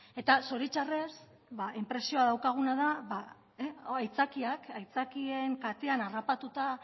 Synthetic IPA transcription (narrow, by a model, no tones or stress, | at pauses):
e̞t̪aso̞ɾit͡ʃare̞s | baʔempɾe̞sio̞aðawkaɣ̞unaðaβa | ajt͡sakiakajt͡sakie̞ŋkat̪e̞anarapat̪ut̪a